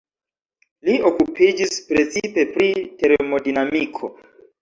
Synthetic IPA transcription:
lio̞kupid͡ʒispɾe̞t͡sipe̞pɾite̞ɾemo̞dinamikʰo̞

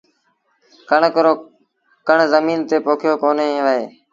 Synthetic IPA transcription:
kəɳkɾoː | kəɳzəmiːnt̪eːpoːkʰjoːkoːneẽːʋəɦeː

